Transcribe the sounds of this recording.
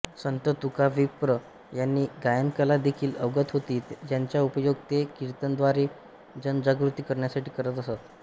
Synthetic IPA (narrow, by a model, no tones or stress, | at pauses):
sənt̪ət̪ukaʋipɾə | janːiːɡajənkəlad̪ekʰiːləʋɡət̪ɦot̪iːd͡ʑjaɲt͡ɕjaupəjoɡ̚t̪ekiɾt̪ənd̪ʋaɾe | d͡ʑənd͡ʑaɡɾut̪iːkəɾɳjasaʈiːkəɾət̪əsat̪